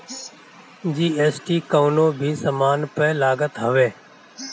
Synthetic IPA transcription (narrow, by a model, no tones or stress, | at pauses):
d͡ʒiːeːsʈiːkəːʋnoːbʱiːsəmaːnpəːlaːɡət̪ɦəʋeː